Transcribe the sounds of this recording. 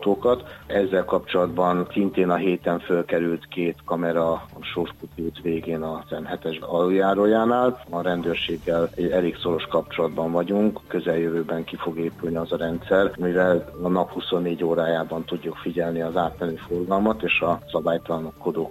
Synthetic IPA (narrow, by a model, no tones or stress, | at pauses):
t̪oːkɒt̪ɛzːɛlkɒpt͡ʃo̞lɒd̪bɒnsint̪eːnɒɦeːt̪ɛɱfølkɛɾylt̪keːt̪kɒmɛɾɒʃorʃkut̪it̪ʋeːɡeːnɒsɛnhɛt̪ɛʃɒlujaːɾoːjaːnaːlɒɾɛnd̪øːrʃeːɡːɛlɛɟːɛleːkso̞ɾo̞ʃkɒp̚t͡ʃo̞lɒd̪bɒɱvɒɟuŋkkø̞zɛljøvøːbɛŋkifo̞ɡeːpylniɒzɒɾɛnt̪sɛrmivɛlɒnɒphuso̞nːeːɟoːɾaːjaːbɒnt̪uɟːukfiɟɛlniɒzaːt̪mɛnøːforɡɒlmɒt̪eːʃɒsɒbaːjt̪ɒlɒnokːo̞d̪oː